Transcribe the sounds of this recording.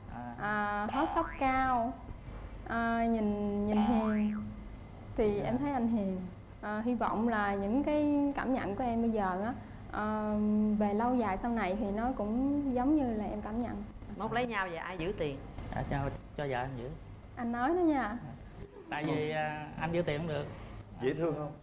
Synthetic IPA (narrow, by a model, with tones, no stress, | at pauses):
ʔʔəː˨˩ɦo˦˥t̚t̪ə˦˥p̚kaː˧w | ʔəː˨˩ɲi˨˩nɲi˨˩nɦi˨˩əŋ | t̪ʰi˨˩ʔɛ˧mt̪ʰə˨˦jʔa˧jŋ̟ɦi˨˩əŋ | ʔəː˨˩ɦi˧vɔ̰˧˨wŋ͡mlaː˨˩ɲɨ̰˧˥ŋkaː˨˦jkaː˧˩mɲə̰˧˨nku˧˩ʔɛ˧mɓə˧jzəː˨˩ʔaː˨˦ | ʔəː˨˩ve˨˩lə˧wzaː˨˩jsa˧wna˨˩jt̪ʰi˨˩nɔ˨˦kʊ̰˧˥ŋ͡mzə˨˦wŋ͡mɲɨ˧laː˨˩ʔɛ˧mkaː˧˩mɲə̰˧˨nmo˦˥t̚lə˨˦jɲaː˧wzə˨˩ʔaː˧jzɨ̰˧˥t̪i˨˩əna̰ː˧˨˩t͡ɕːt͡ɕɔ˧zə̰ː˨˩ʔɛ˧nzɨ̰˧˥ | ʔa˧jnːɔ˨˦jnɔ˨˦ɲaː˧ | t̪a̰ː˧˨jvi˨˩ʔʔa˧nzɨ̰˧˥t̪i˨˩nhŋ͡mɗɨ˨˩ək̚zḭ˧˨˦t̪ʰɨ˧əŋhə˧wŋ͡m